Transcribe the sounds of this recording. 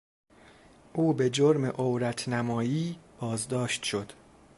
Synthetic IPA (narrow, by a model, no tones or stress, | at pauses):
ʔuːbe̞d͡ʒoɾmḛʔowɾæt̪ʰnæmɒːjiːb̥ɒːzd̪ɒːʃt̪ʃo̞d̪̥